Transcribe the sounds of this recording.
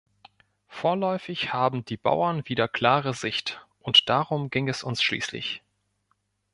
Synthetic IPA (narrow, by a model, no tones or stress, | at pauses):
foːɐlɔʏfɪçhaːbm̩diːba̰ʊɐnviːdɐkʰl̥aːʁəzɪçtʔʊntd̥aːʁʊmɡɪŋɛsʊnsʃlḭːslɪ̰ç